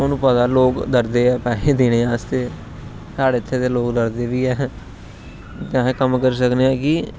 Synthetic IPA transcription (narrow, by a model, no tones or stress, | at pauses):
õːnũːpət̪aːloːkd̪əɾd̪eːɛːpɛːleːd̪eɽ̃eːaːst̪eː | saːɽeːɪt̪ʰːeːt̪eːloːkd̪əɾd̪eːʋiːɛː | t̪ãːkəmkəɾs̬əkneːɛːkɪ